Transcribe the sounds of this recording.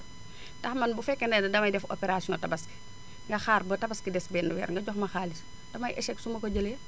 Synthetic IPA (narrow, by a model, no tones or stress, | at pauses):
tɐxmɐnbufɛkːɛndɛdɐdɐmɐjdɛfɔ̰pɛɾasjɔŋɔtɐbɐski̥ | ŋɡɐxaːrbətɐbɐskidɛsbɛːnːuwɛ̰ːɾŋɡɐɟɔxmɐxaːlis | d̥ɐmɐjʔɛʃɛksumɐkɔɟəle